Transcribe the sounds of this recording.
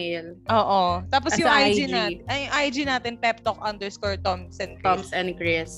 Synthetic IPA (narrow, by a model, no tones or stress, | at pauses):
ɪlʔoːʔot̪aːp̬ɔsjʊŋajd͡ʒid͡ʒnaɐjʊŋʔajd͡ʒinaːt̪ɪnpɛp̚t̪ok̚ʔɐnd̪ɛɹskɔɹt̪ɔmsʔɛ̃nɡɔmsɛ̃nɡɹɪs